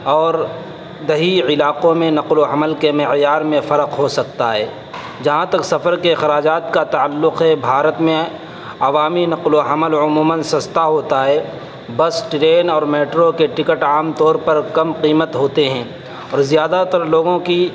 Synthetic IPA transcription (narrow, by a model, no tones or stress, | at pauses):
ɔːɾ | d̪ɐɦiɪlaːqõmẽnɐqloɦɐməlkemɪjaːɾmẽfɐɾəqɦosɐk̚t̪aɦɛː | d͡ʒɐɦãt̪ɐksɐfəɾkeɪxɾaːd͡ʒaːt̪kat̪aːəlːʊqɦɛbʱaːɾət̪mẽ | ɐʋaːminɐqloɦɐməlʊmuːmənsɐst̪aɦoːt̪aɦɛː | bəsʈɾeːnɔːɾmeːʈɾokeʈɪkəʈaːmt̪ɔːɾpɐɾkɐmqiːmət̪ɦoːt̪eɦɛ̃ː | ɔːɾzijaːd̪at̪ɐɾloːɡõki